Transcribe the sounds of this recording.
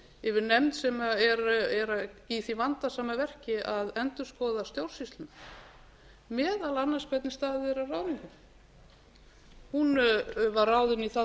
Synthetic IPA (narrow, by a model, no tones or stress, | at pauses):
ɪvɪɾnɛmt̪sɛmaɛɾɛɾaiθivant̪asaːmavɛr̥cɪʔaðɛnt̪ʏ̥skɔːwðast̪jowɾ̥sist̪ʏna | mɛːðalanːaspɛt̪nɪst̪aːðɪɛɾaraːwðɪŋkʏn | hunvarawðɪniθa